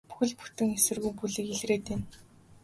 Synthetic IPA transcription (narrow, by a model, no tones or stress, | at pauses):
pu̥xɘ̆ɮpu̥t̪ɘ̆ŋesɘ̆rɣujpuɮɘ̆kiɮreːt̪en